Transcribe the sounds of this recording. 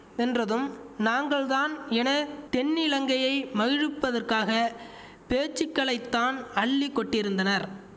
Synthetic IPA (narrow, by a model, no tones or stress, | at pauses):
ɛndrɐðɯmnaːŋɡɐɭðaːnɛnɐt̪ɛnːɪlɐŋɡɐjɐɪmɐɣɪɻɯpːɐðɐrkaːɣɐ | peːt͡ʃːɪkːɐɭɐɪt̪ːaːnɐɭːikːɔʈːɪɾɯnd̪ɐnɐɾ